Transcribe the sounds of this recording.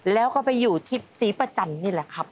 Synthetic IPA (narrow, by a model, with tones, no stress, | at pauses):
lɛː˦˥wkɔː˥˩pa˧jːuː˨˩t̪ʰi˦˥˩p̚siː˩˦pa˧t͡ɕa˧˩nniː˥˩lɛ˨˩kʰa˦˥p̚